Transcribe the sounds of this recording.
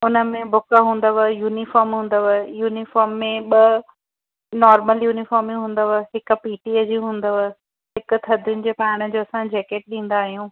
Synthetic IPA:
ʊnəmẽbʊkəɦũːn̆d̪əʋəjuːnifɔːɾmɦũːn̆d̪əʋəjuːnifɔːɾmːẽɓɐ | nɔːɾməljuːnifɔːɾmĩɦũːn̆d̪əʋəɦɪkʊ̆piːʈiəd͡ʑiɦũːnd̪əʋə | ɦɪkʊ̆t̪ʰɐd̪ʱɪjʊnɪ̆d͡ʑeːpaːɽ̃ə̆d͡ʑoːɐsãd͡ʑɛːkeːʈ̚ɗĩːn̆d̪aːɦijũː

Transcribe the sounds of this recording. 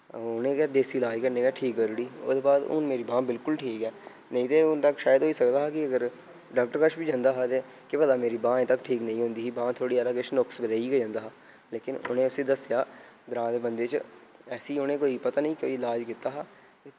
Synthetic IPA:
ʊnẽːkːd̪eːsiːlaːd͡ʒkəɾnẽːkaːʈʰiːkːəɾuɽiːʊ̰sd̪eːbaːd̪ʊ̰nmeːɾiːbãːbɪlkʊlʈʰiːkɛː | nəĩːt̪eːʊnt̪əkʃaːjəd̪ɦoːiːsəkd̪aːɦaːkɪəɡəɾ | ɖaːk̚ʈəɾkəʃbiːd͡ʒãːnd̪aːɦaːt̪eː | kɪpəd̪aːmeːɾiːbãːẽːt̪əkʈʰiːknə̃ĩːɦʊ̃nd̪iːiːbãːt̪ʰoːɽiːɛːlaːɡeːʃənʊksbəɾəiɡed͡ʒãːnd̪aːɦaː | leːkɪnʊ̰nẽːʊseːd̪əsɪjaːɡ̪ɾãːd̪eːbənd̪eːt͡ʃɛːsiːʊnẽːkoːiːpət̪aːnəĩːko̰ːiɪlaːd͡ʒkɪt̪aːɦaː

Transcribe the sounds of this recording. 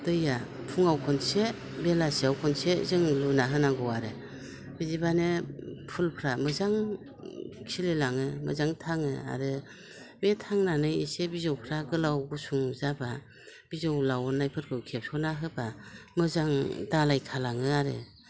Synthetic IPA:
dɯja | pʰuŋawkʰɔnse | belasiawkʰɔnsezɯŋlunaɦɯnaŋɡɔwaɾɯ | bizibanɯpʰulpʰɾamɯzaŋ | kʰilelaŋɯmɯ̰zaŋtʰaŋɯa̰ɾɯ | metʰaŋnanɯjisebizawpʰɾaɡɯlawɡusuŋzaba | b̥izawlawɔnajpʰɯɾkʰɯwkʰep̚sʰɔnaɦɯbamɯzaŋdalajkʰalaŋɯaɾɯ̰

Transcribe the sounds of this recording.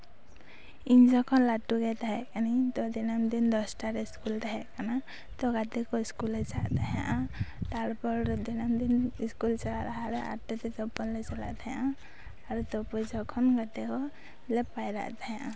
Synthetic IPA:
iɲd͡ʒɔkʰɔnlaʈuɡɛt̪aɦɛʔkanit̪ɔd̪inamd̪ind̪ɔsʈaɾɛskult̪aɦɛʔkana | t̪ɔɡat̪ɛkɔiskulɛt͡ʃa̰ʔt̪aɦaʔat̪aɽpɔɾɾɔd̪inamd̪iniskult͡ʃalaɾaɦaɾɛʔa̰ɾʈɛt̪ɛt̪ɔpɔnlɛt͡ʃɔla̰ʔt̪ajãʔaː | ɾt̪ɔpɔjd͡ʒɔkʰɔnɡad̪ɛkɔ | lɛpajɾa̰ʔt̪aɦɛãʔa

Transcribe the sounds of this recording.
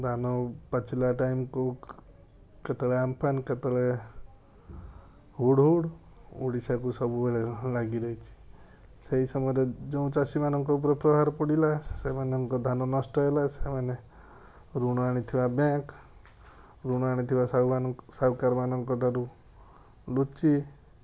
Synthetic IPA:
d̪ʱanɔpat͡ʃʰilaʈajmku | ket̪ɔɭeampʰanket̪ɔɭe | ɦuɽɦuɽ | uɽisakusɔbubeɭelaɡiɾɔɦit͡ʃʰi̥ | seɦisɔmɔɾed͡ʒɔũt͡ʃasimanɔŋkɔup̬ɾɔpɾɔɦaɾpɔɽilasemanɔŋkɔd̪ʱanɔnɔsʈɔelasemane | ɾuɽ̃ɔaɽ̃it̪ʰibabãk | ɾuɽ̃ɔaɽ̃it̪ʰibasasawkaɾmanɔŋkɔʈaɾu | lut͡ʃi

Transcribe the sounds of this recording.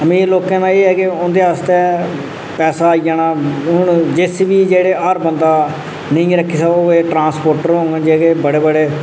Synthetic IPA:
əmĩːloːkãːnaːeːɛːkɪʊ̃nd̪eːəst̪e | pɛːsaːid͡ʒaːnaːnd͡ʒɪsʋiːd͡ʒeːɽeːʔəɾbənd̪aː | nĩːɾəkʰːiːsaoeːʈɾãːnspoːɾʈəɾɦõːŋɡɛ̃ːd͡ʒeːkeːbəɽeːbəɽeː

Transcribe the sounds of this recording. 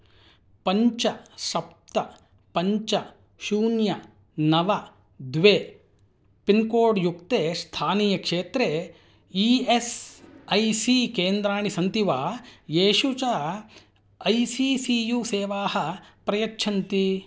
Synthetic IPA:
pɐɲt͡ʃɐʃɐp̚t̪ɐ | pɐɲt͡ʃɐ | ʃuːnjɐ | nɐʋɐ | d̪ʋeː | pinkoːɖjukt̪eːst̪ʰaːniːjɐkʂeːt̪ɾe | iesɐjsikeːnd̪ɾaːɳisɐnt̪iʋaːjeːʃut͡ʃɐ | ɐjsiːsijuːseːʋaːɦɐpɾɐjɐkːʃʰɐnt̪i

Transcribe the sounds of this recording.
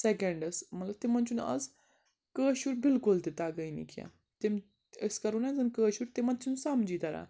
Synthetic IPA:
sekeɳɖəsmɐt̪lɐbt̪emɐnt͡ʃunɐ̰z | kəːɕuɾbilkult̪et̪aɡəjnḭkja̰ | t̪em | əskɐɾunazɐnkəːɕuɾt̪emɐnt͡sunsamd͡ʑiːt̪ɐɾa̰

